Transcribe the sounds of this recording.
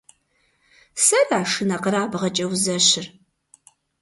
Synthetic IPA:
sɐraːʂɨnɐqəɾaːbʁɐt͡ʃʼɐwzɐɕɪr

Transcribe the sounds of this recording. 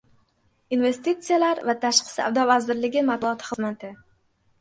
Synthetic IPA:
inve̞st̪it̪sɨjalaɾvat̪ʰaʃqɨ̥sa̰vd̪ɒvazɪɾlɪɡʲɪmat̪̚bʊɒt̪ʰɪ̥χɨzmat̪ʰɪ

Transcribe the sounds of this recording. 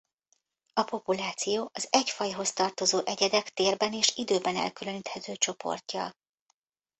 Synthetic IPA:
ɒpo̞pulaːt̪sijoːʔɒzɛcfɒjɦo̞st̪ɒrt̪o̞zoːʔɛɟɛd̪ɛkt̪eːrbɛneːʃid̪øːbɛnɛ̰lkyløniːt̪hɛt̪øːt͡ʃo̞po̞̰rcːɒ̰l

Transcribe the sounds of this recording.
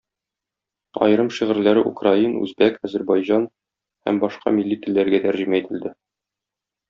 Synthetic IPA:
ɒ̰jɤ̆ɾɤmʃiʁɘ̆ɾlæɾɘʔṵkrainʉ̰zbækæzɘɾbɑjʑɑn | hæ̰mbɒʃqɑ̰milːit̪ɘ̆lːæɾɡæt̪æɾʑɘ̆mæit̪ɘ̆ld̪ɘ

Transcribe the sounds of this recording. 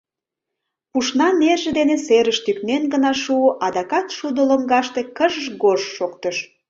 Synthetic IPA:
puʃnɑnerʒĕd̪eneseɾəʃt̪yknenɡənɑʃuʔɑd̪ɑkɑt̪ʃud̪əloŋɡɑʃt̪ekəʒəʒɡoʒːokt̪əʃ

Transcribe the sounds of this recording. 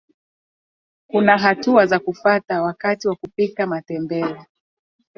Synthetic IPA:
kunaɦatuazakufatawakatiwakupikamatɛmbɛɔ

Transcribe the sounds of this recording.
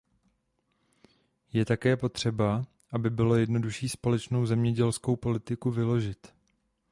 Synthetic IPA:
jɛt̪akɛːpo̞t̪r̝̥ɛba | ʔabɪbɪlo̞jɛdno̞duʃiːspo̞lɛt͡ʃno̞wzɛmɲɛɟɛlsko̞wpo̞lɪt̪ɪkuvɪlo̞ʒɪt̪

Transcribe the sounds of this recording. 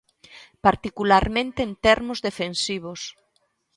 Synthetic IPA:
paɾt̪ikulaɾmẽnt̪eːnt̪ɛɾmʊzðefensiβos

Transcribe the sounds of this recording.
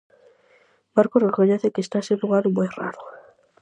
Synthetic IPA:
baɾkorekoɲɛθekeːst̪aseluɣaɾʊmojra̰ɾo

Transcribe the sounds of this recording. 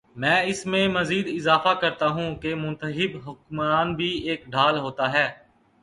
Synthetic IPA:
mɛ̃ːɪsmẽmɐziːd̪ɪzaːfakɐɾt̪aɦũːkemʊ̃nt̪əɦɪbɦʊkmaːnbʱieːkɖʱaːlɦoːt̪aɦɛː

